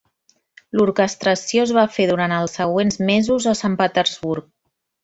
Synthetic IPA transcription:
luɾkəst̪ɾəsijoəzβafeðuɾant̪əlˠsːəɣwenzmezuzəsampət̪əɾzβuɾk̚

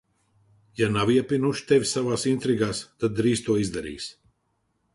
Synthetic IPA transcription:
janaviɛpinuʃt̪ɛvʲsavaːsint̪ɾiɡaːst̪ad̪̚ːɾiːst̪uɔizd̪aɾḭːs

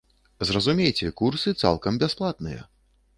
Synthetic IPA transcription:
zrɐzumʲejt͡sʲɛkursɨt̪sa̰lˠkɐmbʲasplˠat̪̚nɨ̰jɐ̰

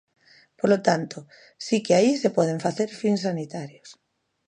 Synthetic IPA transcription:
polot̪ant̪o | sikeaisepɔð̞eɱfaθeɾfiŋsanit̪aɾjos

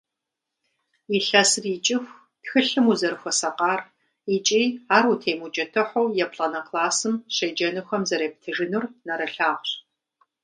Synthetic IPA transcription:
iɬɐsriːt͡ʃʼɪxʷ | pxɨɬɨmuzɐɾɨxʷɔsɐqʼɑːr | it͡ʃʼiːaːrutʰeːmut͡ʃʼɐtʰɨħʷɔwjɛpɬʼɐnɐqlaːsɨmɕejd͡ʒɐnɨxʷɔmzɐɾeːp̚tʰɨʒɪnurnɐɾɐɬaːʁʷɕ

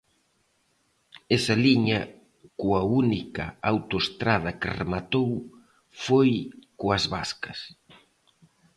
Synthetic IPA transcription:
ɛsɐliɲɐ | kuɐunikɐ̰awt̪oest̪ɾað̞ɐkɪ̰rḛmat̪ow | fojkoɐzβaskɐs

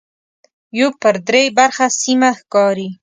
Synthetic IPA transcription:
jopəɾd̪ɾebaɾxasimaxkɑɾi

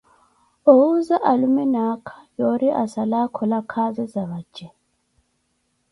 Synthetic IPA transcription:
ouzaʔalumɛnakʰḁjoɾiʔasalakʰɔlakʰazɛzaβḁd͡ʒɛ

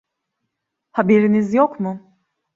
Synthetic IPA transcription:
habeɾinizjokmʊ

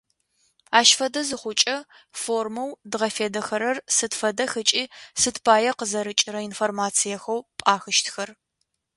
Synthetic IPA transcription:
aːʃfɐdɐzɨχʷʊt͡ʃʼɐ | formɐwdʁɐfeːdɐxɐɾɐrsɨtfɐdɐxɨt͡ʃʼiːsɨtpʰaːjɐqəzɐɾɨt͡ʃʼɪɾɐinformaːt͡sʰijɐxɐwpʼaːxɨʃtʰxɐr

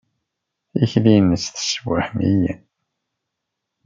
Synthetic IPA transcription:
içlinət͡sːθə̥swəħmḭjæn

